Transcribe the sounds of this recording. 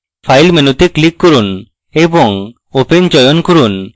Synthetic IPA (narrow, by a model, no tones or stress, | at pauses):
pʰajlmenot̪iklikːoɾun | ebɔŋ | opend͡ʑɔjonkoɾun